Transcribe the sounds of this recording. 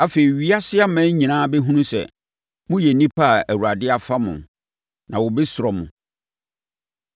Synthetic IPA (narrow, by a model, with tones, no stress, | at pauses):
a˦fe˨ɾi˨ɥi˦a˦sɪ˦a˦mɛ̃˦ɲĩ˨nãː˦bɛ˦ɦũ˦nũ˦sɛ̰˨ | mʊ̃˦jɛ˨nĩ˦pʰa˦˨æ˨wu˨ɾa˨dɪ˦a˨fa˦mʊ̰̃˨n | nã˨wʊ˨bɪ˦sʊ˨ɾɔ˨mʊ̰̃˨